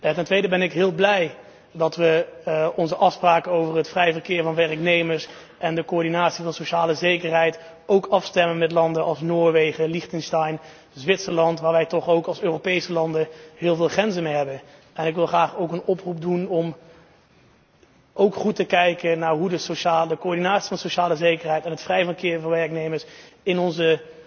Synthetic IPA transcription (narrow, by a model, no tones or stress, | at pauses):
jatɛntʋejdəbɛnɪkɦɪːlˠblɛj | dɑtʋəɔnzəʔɑfspraːkəowvərɦətfrɛjvərkɪːɹvɑnʋɛrəknejməɹs | ʔɛndəkoːɹdinaːtsivɑnsoʃaːləzejkərɦɛjt | owkɑfstɛmənmɛtlɑndənʔɑlˠsnoːɹʋejχəliχtənstɑjn | zʋɪtsəlɑntʋaːɹʋɛjtɔχowkɑlˠsøːropejsəlɑndəhɪːlˠvɪːlˠχrɛnzənmejɦɛbən | ɛnɪkʋɪlˠχraːχowkənɔprup̚dunɔm | owkχutəkɛjkənaːɹɦudəsoʃaːdəkoːɹdinaːtsivɑndəsowʃaːləzejkəɹɦɛjtɛnətfrɛjvəɹkɪːɹvɑnʋɛɹknejməɹs | ɪnɔnzə